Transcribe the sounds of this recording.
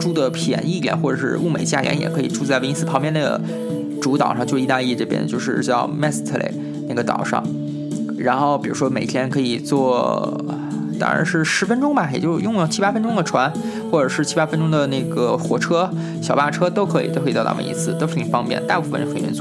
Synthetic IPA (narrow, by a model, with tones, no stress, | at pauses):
ʈ͡ʂu˥d̪ə˨pʰjɛ̰˨˩˦ni˥˩t̪jɛ̰˨˩˦nxwɔ˥˩ʈ͡ʂɤ˨˩ʂɻ̩̰˥˧u˥˩me˨˩ɪt͡ɕja˥˩ljɛ̰˧˥njɛ̰˨˩kʰɤ˧˥ḭ˨˩ʈ͡ʂu˥˧t͡sa˥˩ɪwni˥sɹ̩˥˩pʰɑ˧˥ŋpjɛ˥˧nə˥˩ɡə̰˩ | ʈ͡ʂu˧˥t̪ɑ˨˩ʊʂɑ˥˧t͡ɕo˥˧˩t̪a˥˧i˥˧ʈ͡ʂɤ˥˩pjɛ̰˥nt͡ɕjo˥˧ʊʂɻ̩˥˧t͡ɕjɑ˥˧ʊmɛ˥˩st̪ʰlḛ˧˩ɪ | na˥˩ɡə˩t̪ɑ̰˨˩ʊʂɑ̰˥˧˩ŋ | ɻa˧˥nxo˥˩ʊpi˨˩ɻu˧˥ʂwɔ˥me˨˩ɪt̪ʰjɛ˥nkʰɤ˧˥i˨˩t͡swɔ˥˩ | t̪ɑ̰˥ɻa̰˧˥nʂɻ̩˥˩ʂɻ̩˧˥fə˥nʈ͡ʂʊ˥ŋbɐ˨˩jɛ̰˨˩t͡ɕjo˥˧ʊjʊ˥˧ŋlə˩t͡ɕʰi˥pa˥fə˥nʈ͡ʂʊ˥ŋd̪ə˨ʈ͡ʂʰwa˧˥n | xwɔ˥˩ʈ͡ʂɤ˨˩ʂɻ̩˥˩t͡ɕʰi˥pa˥fə˥nʈ͡ʂʊ˥ŋd̪ə˨˩na˥˩ɡə˩xwɔ˧˥ʈ͡ʂʰɤ˥ | ɕjɑ˨˩ʊpa˥˩ʈ͡ʂʰɤ˥t̪o˥ʊkʰɤ˧˥ḭ˨˩o˥kʰɑ˥˧ɑ̰˥˩˧ḭ˥sʰɹ̩˥˩t̪o˥ʊʂɻ̩ʰ˥˩i˨˩fɑ˥ŋpjɛ̰˥˩nt̪a˥˧pu˥˩fə̰˨n˥xə˨˩nɥɛ̰˧˥t͡sw